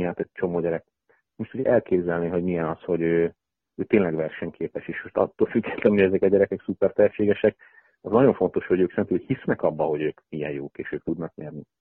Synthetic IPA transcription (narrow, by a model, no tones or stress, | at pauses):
ɦaːt̪ɛc̚t͡ʃo̞moːɟɛɾɛk | moʃt̪ʰuɟɛʔɛlkeːbzɛlniɦo̞ɟmijɛnɒsho̞ɟøː | øːt̪eːnlɛɡʋɛrʃɛɲkʰeːpɛʃeːʃmoʃt̪ɒ̰t̪ːoːlfyɡːɛt̪lɛnojɛzɛkɒɟɛɾɛkɛksupɛrt̪ɛɦɛʃeːɡɛʃɛk | ɒznɒɟo̞ɱfo̞nt̪o̞ʃho̞ɟøːksɛnt̪yːhisnɛkɒbːɒho̞ɟøːkmijɛnjoːkeːʃøːk̚t̪ud̪nɒkɲɛrni